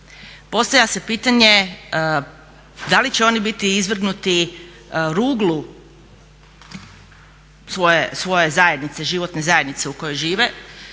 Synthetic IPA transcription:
po̞st̪aʋʎʲase̞piːt̪aɲe | d̪alit͡ɕeo̞nibit̪iizʋr̩ɡnut̪i | ɾuːɡlu | sʋo̞jesʋo̞je̞zajed̪nit̪se̞ʒiʋo̞t̪nezaje̞d̪nit̪se̞uko̞jo̞jʒiːʋe̞

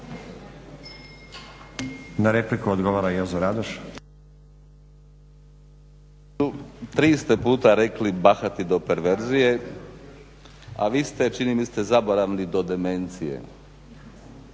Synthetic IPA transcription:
naɾeplikuod̪ɡoʋaːɾajozoɾad̪oʃ | ut̪ɾiːst̪e̞puːt̪aɾeklibaxat̪id̪o̞pe̞ɾʋeɾzije̞ | a̰ʋiːst̪e̞t͡ʃinimist̪ezaboɾaʋnid̪o̞d̪eme̞nt̪sijḛ

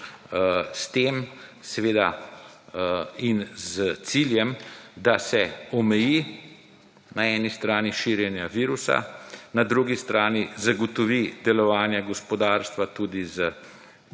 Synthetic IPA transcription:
st̪eːmsɛʋeːd̪a | inzt̪siːljɛmd̪asɛɔmɛji | naɛːnist̪ɾaːniʃiːɾjɛnjaʋiːɾusa̰nad̪ɾuɡist̪ɾaːnizaɡɔt̪ɔʋid̪ɛlɔʋaːnjaɡɔspɔd̪aːɾst̪ʋat̪ud̪izə

